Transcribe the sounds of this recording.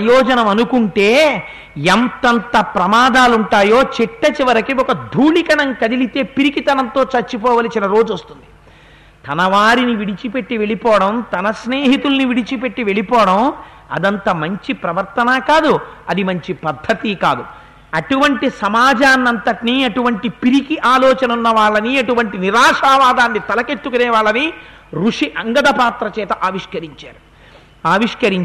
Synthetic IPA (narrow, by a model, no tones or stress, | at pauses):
ɐjɔːd͡ʒɐnɐmɐnukuɳʈe̞ː | ent̪ɐnt̪ɐpɾɐmaːd̪aːluɳʈaːjo̞ːt͡ʃiʈːɐt͡ʃiʋɐɾɐkiɔkɐd̪ʱuːɭikɐɳɐŋkɐd̪ilit̪e̞ːpiɾikit̪ɐnɐnt̪o̞ːt͡ʃɐɾt͡ʃːipɔːʋaːlit͡ʃilɐɾo̞ːd͡ʒuost̪und̪i̥ | t̪ɐnɐʋaːɾiniʋiɽit͡ʃipe̞ʈːiʋe̞ɭipɔːɐɽɐmt̪ɐnɐsne̞ːɦit̪ulɐniʋiɽit͡ʃipe̞ʈːiʋe̞ɭipɔːɐɽɐm | ɐ̰d̪ɐnt̪ɐmɐɲt͡ʃipɾɐʋɐɾt̪ɐnaːkaːd̪uɐd̪imɐɲt͡ʃipɐd̪ʱɐt̪ikaːd̪u | ɐʈuʋɐɳʈisɐmaːd͡ʒaːnːɐnt̪ɐʈniɐʈuʋɐɳʈipiɾikiʔaːlɔːt͡ʃɐnɐunːɐʋaːɭːɐniɐʈuʋɐɳʈiniɾaːʂaːʋaːd̪aːnːit̪ɐlɐket̪ːukuneːʋaːɭːɐni | ɾuʂiʔɐŋɡɐd̪ɐpaːt̪ɾɐt͡ʃɛːt̪ɐʔaːʋiʂkɐɾiɲt͡ʃaːɾu | aːʋiʂkɐɾiɲ